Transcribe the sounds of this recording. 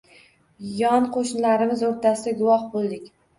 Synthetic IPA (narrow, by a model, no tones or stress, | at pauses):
jɒnqʰoʃnɪlaɾɪmɪzoɾt̪ʰasɪd̪aɡʊwɒhbolˠd̪ɪkʲ